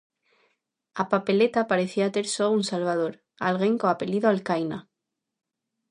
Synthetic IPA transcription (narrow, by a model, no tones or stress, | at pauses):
apape̞let̪apaɾe̞θiat̪e̞ɾsounsalβ̞að̞o̞ɾ | a̰lɣeŋkoape̞liðoalkajna